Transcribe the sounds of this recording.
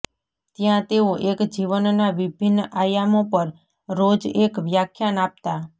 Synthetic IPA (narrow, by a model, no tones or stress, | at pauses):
t̪jãt̪eoʔekd͡ʒiʋənnaʋibʱinːajamõpəɾ | ɾod͡ʒekʋjakʰjanap̚t̪a